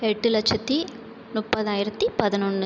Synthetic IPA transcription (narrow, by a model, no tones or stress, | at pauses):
ɛʈːɯlɐt͡ʃːɐt̪ːi | mʊpːɐðaːjɪɾɐt̪ːipɐðɪnɔnːɯ